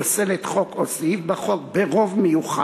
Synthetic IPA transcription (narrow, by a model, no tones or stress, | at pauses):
selet̪χokʰosifbaχok̚beʁo̞vmejuχa̰